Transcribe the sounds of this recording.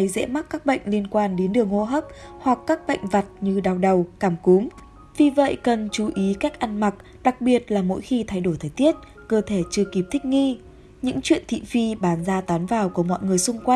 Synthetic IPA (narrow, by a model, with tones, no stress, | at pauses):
jzɛ̰˧˥ma˦˥t̚kːaː˦˥k̚ɓə̰˧˨jŋ̟li˧ənkwaː˧nɗe˨˦nɗɨ˨˩əŋːo˧ɦəː˦˥p̚hwa˨˩kːaː˦˥k̚ɓə̰˧˨jŋ̟va˨˩t̚ɲɨ˧ɗaː˧˩wɗə˨˩wkaː˧˩mku˨˦m | vi˨˩və̰˧˨jkə˨˩nt͡ɕu˨˦ʔi˨˦ka˦˥jk̚ʔa˧nma˨˩t̚ | ɗa˨˩k̚ɓi˨˩ət̚laː˨˩mo̰˧˥jxi˧t̪ʰa˧jɗo˧˩jt̪ʰəː˨˩jt̪i˦˥ət̚ | kəː˧t̪ʰe˧˩t͡ɕɨ˧əki˨˩p̚t̪ʰï˦˥k̚ŋi˧ | ɲɨ̰˧˥ŋt͡ɕwḭ˧˨ənt̪ʰḭ˧˨fi˧ɓaː˨˩nzaː˧t̪aː˨˦nvaː˨˩wku˧˩əmɔ̰˧˨jŋɨ˨˩əjsʊ˧ŋ͡mkwa˧j